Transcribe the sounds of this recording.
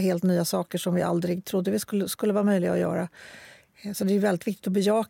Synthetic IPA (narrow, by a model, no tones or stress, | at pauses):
ɦeːlt̪nyːasɑːkəʂɔmvɪʔa̰ld̪ɾɪɡt̪ʰɾʊd̪ːəvɪskɵlːəskɵlːəvɑːɾamœjlɪɡa̰ɔjœ̰ːɾa | sɔtd̪ɛæjɵvɛlːɪt̪vɪkt̪ɪ̥t̪ɔbɛjɑːk